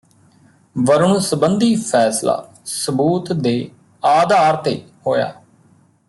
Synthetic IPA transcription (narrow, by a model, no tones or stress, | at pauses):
ʋəɾɳũːsəbənd̪iːpʰɛːsla̰ː | səbuːt̪d̪eː | aːd̪aːɾt̪eːhoːja̰ː